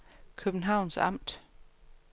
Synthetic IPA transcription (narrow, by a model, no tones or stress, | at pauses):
kʰøb̥n̩ɦɑ̈ʊ̰nsɑ̈m̰d̥